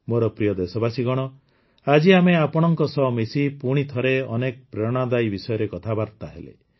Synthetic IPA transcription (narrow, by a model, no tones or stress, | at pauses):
moɾɔpɾijɔd̪esɔbasiɡɔɽ̃ɔ | ad͡ʒiameapɔɽ̃ɔŋkɔsɔmisipuɽ̃it̪ʰɔɾeɔnek̚pɾɔɽ̃ad̪ajbisɔjɔɾekɔt̪ʰabaɾt̪aɦḛlḛ